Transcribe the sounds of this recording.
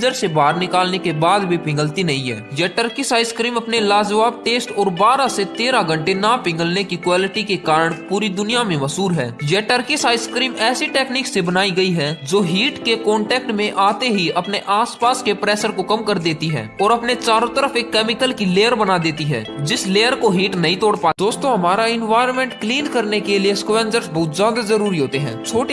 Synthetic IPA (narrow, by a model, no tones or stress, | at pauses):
d͡ʒəɾsebaːɾnɪkaːlnekebaːd̪bʱipɪ̃ŋɡəlt̪inɐɦĩɦɛ̰ːjɛʈəɾkisaːɪskɾiːmɐpnelaːd͡ʒʋaːb̚ʈeːsʈɔːɾbaːɾaset̪eːɾaɡɐ̃ɳʈenapɪ̃ŋɡəlnekikwaːlɪʈikekaːɾəɽ̃puːɾid̪ʊnijamẽmɐsuːɾɦɛ̰ːjɛʈəɾkisaːɪskɾiːmɛːsiʈɛːkniːksebɐnaːiɡɐiɦɛd͡ʒoːɦiːʈkekɔːɳʈɛːk̚ʈmẽʔaːt̪eɦiɐpneʔaːspaːskepɾɛːsəɾkokɐmkɐɾd̪eːt̪iɦɛ̰̃ːɔːɾɐpnet͡ʃaːɾõt̪əɾəfeːkːɛːmɪkəlkileːəɾbɐnad̪eːt̪iɦɛ̰ːd͡ʒɪsleːjəɾkoɦiːʈnɐɦĩt̪ɔːɽpaːd̪oːst̪õɦɐmaːɾaɪnʋaːɪəɾmẽːɳʈkliːnkɐɾnekelieskʋɛ̃ːnd͡ʒəɾsbɐɦʊt̪zjaːd̪azɐɾuːɾiɦoːt̪eɦɛ̰̃ːt͡ʃʰoːʈ